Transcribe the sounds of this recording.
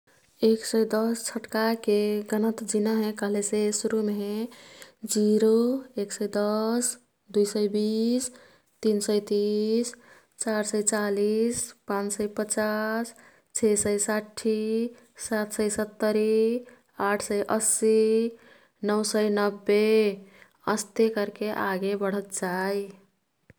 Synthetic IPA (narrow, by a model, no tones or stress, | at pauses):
eksəjd̪ɔst͡ʃʰəʈkakeɡənət̪d͡ʒinaɦɛ̃kəɦlesesuɾume | d͡ʒiɾoeksəjd̪əs | d̪ujsəjbis | t̪insəjt̪is | t͡ʃaɾsəjt͡ʃalispãnt͡ʃsəjpət͡ʃas | t͡ʃʰesəjsaʈʰi | sat̪səjsət̪ːəɾi | aʈʰsəjʔəsi | nəwsəjnəbːe | əst̪ekəɾkeʔaɡebəɽ̤ət̪d͡ʒaj